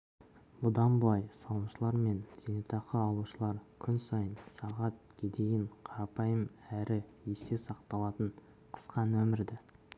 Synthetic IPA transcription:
bʊd̪ɑnbʊlˠɑjsɑlˠəmʃəlˠɑɾme̞nz̥enet̪ɑqəɑlˠuʃəlˠɑɾkʲʰʏnsɑjənsɑʁɑt̪̚kʲʰed̪e̞jɪɴqʰɑɾɑpɑjəmæɾɪese̞sɑqt̪ɑlˠɑt̪əɴ | qʰə̥sqɑnwɵmɪɾd̪ɪ

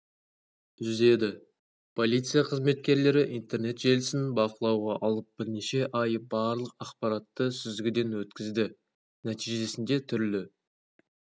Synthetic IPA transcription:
ʒʏze̞d̪ɪ | pʰo̞lˠijt̪sɨjaqʰəzme̞t̪̚kʲe̞ɾle̞ɾɪʔijnt̪e̞ɾne̞t̪ʒe̞lɪsɪnbɑqəlˠɑwʁɑʔɑlˠəp̚b̥ɪɾneʃe̞ʔɑjbɑɾlˠəq̚ɑqpɑɾɑt̪ːəsʏzɡʲɪd̪e̞nwɵt̪kʲɪzd̪ɪ | næt̪iʒeesɪnd̪e̞t̪ʰʏɾlɪ

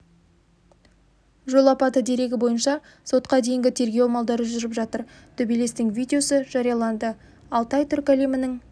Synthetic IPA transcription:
ʒo̞lˠɑpɑt̪əd̪e̞ɾe̞ɡʲɪbo̞jənʃɑ | so̞t̪qɑd̪e̞jɪŋɡʲɪt̪ʰe̞ɾɡʲewmɑlˠd̪ɑɾəʒʏɾɪpʒɑt̪əɾ | t̪ʰɵbile̞st̪ɪŋvʲijd̪ʲe̞o̞səʒ̥ɑɾijɑlˠɑnd̪ə | ɑlˠt̪ɑjt̪ʰʏɾkalimɪnɪŋ

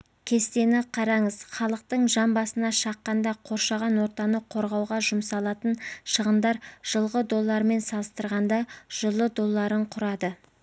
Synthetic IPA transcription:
kʲʰe̞st̪e̞nɪqʰɑɾɑɴəz̥χɑlˠəq̚t̪əɴʒɑmbɑsənɑʃɑqːɑnd̪ɑqʰo̞ɾʃɑʁɑnwo̞ɾt̪ɑnəqʰo̞ɾʁɑwʁɑʒʊmsɑlˠɑt̪ənʃəʁənd̪ɑɾʒ̥əlˠʁəd̪o̞lˠːɑɾme̞nsɑlˠəst̪əɾʁɑnd̪ɑʒ̥əlˠːəd̪o̞lˠːɑɾəɴqʰʊɾɑd̪ə

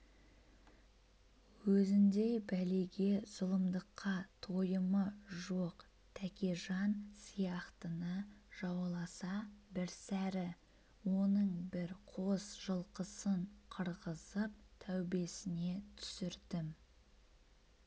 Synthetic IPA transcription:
wɵzɪnd̪e̞jbæleɡʲe̞z̥ʊlˠəmd̪əqʰːɑt̪ʰojəməʒo̞q | t̪ʰækʲeʒɑnsijɑqt̪ənəʒɑwlˠɑsɑbɪɾsæɾɪ | wo̞nəɴbɪɾqʰo̞sʒ̥əlˠqəsəɴqʰəɾʁəzəp̚t̪ʰæwbe̞sɪne̞t̪ʰʏ̥sɪɾd̪ɪm

